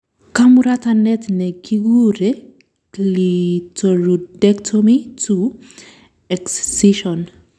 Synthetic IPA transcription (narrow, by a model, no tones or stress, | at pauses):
kamuɾat̪anɛt̪nekiɡuɾe | litoɾudɛktʰomitu | ɛkssiʃɔn